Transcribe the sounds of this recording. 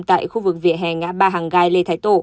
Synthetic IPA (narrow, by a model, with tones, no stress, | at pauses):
mt̪a̰ː˧˨jxu˧vɨ˨˩k̚vḭ˧˨əɦɛ˨˩ŋːa̰ː˧˥ɓaː˧ɦaː˨˩ŋɣaː˧jle˧t̪ʰaː˨˦jt̪o̰˧˩